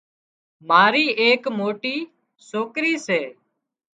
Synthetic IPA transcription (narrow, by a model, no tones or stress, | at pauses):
maːɾiːʔeːkmoːʈiː | soːkɾiːseː